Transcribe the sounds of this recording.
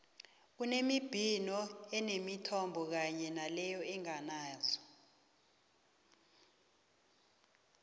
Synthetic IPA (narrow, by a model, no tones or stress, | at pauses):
unemib̥ʱinɔɛnemitʰɔmbʱɔk̬aɲɛnalɛjɔɛŋanaːzɔ̥